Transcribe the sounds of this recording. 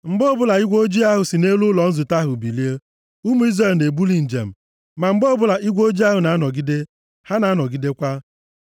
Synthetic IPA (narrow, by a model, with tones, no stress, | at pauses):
ŋ͡m̩˨ɡ͡bo˦˨bʊ˦la˨i˦ɡʷo˦d͡ʒi˦a˦ɦʊ˨si˨ne˦lu˦lɔ˨n̩˦zʊ˨ta˦ɦʊ˨bi˨li˦e˦ | u˦mu˦i˦zɾe˨lne˨bu˦li˨n̩˨d͡ʒḛ˨m̩˨ | ma˨ŋ͡m̩˦ɡ͡bo˦bʊ˦˨la˨ʔi˦ɡʷo˦d͡ʒi˦a˦ɦʊ˨na˨a˦nɔ˨ɡi˦de˦ | ha˦na˨a˦nɔ˨ɡi˦de˦kʷa˦